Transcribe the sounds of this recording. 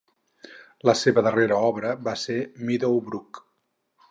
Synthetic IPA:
ləseβəðəreɾəɔβɾəβasemiðowbɾuk

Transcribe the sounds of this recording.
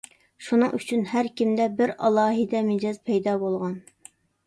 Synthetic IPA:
ʃunɨŋʔyt͡ʃʰynɦæɾkʲimd̪ɛbɪɾɑlˠɑːɦid̪ɛmɪd͡ʒɑzpʰɛjd̪ɑːbolˠʁɑn

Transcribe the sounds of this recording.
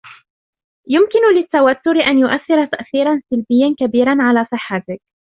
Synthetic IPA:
jʊmkɪnʊlɪt̪ːawat̪ːʊɾʔanjʊʔaθːɪɾat̪aʔθiːɾˤɑnsɪlbɪjːankabiːɾˤanʕalaːsˤɨħːat̪ɪk̚

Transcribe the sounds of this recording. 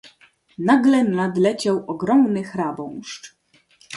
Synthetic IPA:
naɡlɛnad̪lɛt͡ɕawʔɔɡɾɔmnɘxɾabɔ̃w̃ʂʈ͡ʂ

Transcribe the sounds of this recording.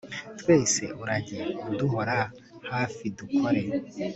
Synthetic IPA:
twe̞ːsḛuɾaɟiuduɦoɾa | haːfidukʰoɾe

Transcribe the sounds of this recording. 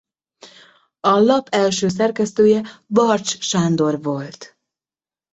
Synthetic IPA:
ɒlɒpɛlʃøːs̬ɛrkɛst̪øːjɛbɒrt͡ʃʃaːnd̪o̞rʋolt̪

